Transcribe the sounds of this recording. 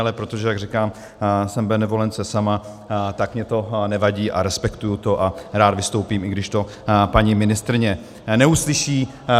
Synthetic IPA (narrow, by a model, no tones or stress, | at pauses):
lɛpɾo̞t̪oʒɛjaɡrikaːm | sɛmbɛnɛvo̞lɛnt͡sɛsama | t̪akmɲɛt̪o̞nɛvaɟiːʔaɾɛspɛkt̪ujut̪o̞ʔaɾaːd̪vɪst̪o̞wpiːmʔɪɡdɪʃt̪o̞ | paɲɪmɪnɪst̪ɾɪɲɛ | nɛuslɪʃiː